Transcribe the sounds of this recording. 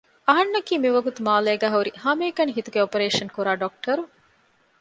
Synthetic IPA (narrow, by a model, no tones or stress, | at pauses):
ɐɦɐnːɐkiːmiʋɐɡut̪umaːleːɡæːɦɐuɾihɐmeːkɐniɦit̪uɡeopɐɾeːʃɐnkuɾaːɖok̚ʈʰɐɾu